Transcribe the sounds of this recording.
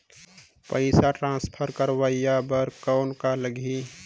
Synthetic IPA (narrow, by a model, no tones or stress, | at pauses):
pəɪsaʈɾãːspʰəɾkəɾwəijabəɾkɔːnkaləɡʱi